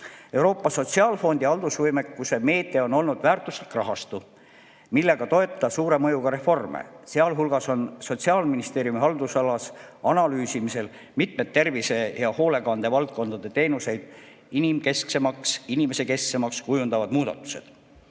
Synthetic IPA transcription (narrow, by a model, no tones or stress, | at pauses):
e̞uɾo̞ːpːˑɑso̞t̪ʲsiɑlfo̞nd̪̥iɑld̪̥usvɤjme̞kːˑuse̞me̞ːt̪ːˑe̞o̞no̞lnud̪væːrt̪ˑuslikːˑrɑɦɑst̪u | milːe̞ɡ̥ɑt̪o̞e̞t̪ːˑɑsuːɾe̞mɤ̞juɡ̥ɑɾe̞fo̞rmḛseɑlɦulɡ̥ɑso̞nso̞t̪siɑːlminist̪e̞ːɾjumihɑld̪usɑlɑsɑnɑlyːsimise̞l | mit̪met̪ːe̞rvise̞jɑho̞ːle̞kɑnd̪̥e̞vɑlt̪̚ko̞nd̪ɑd̪̥e̞t̪e̞ːnuse̞jd̪̥̚ | inimke̞skse̞mɑksinime̞se̞ke̞skse̞mɑkskujund̪̥ɑvɑd̪̥muːd̪ɑ̰t̪ːˑu̥se̞d̪̥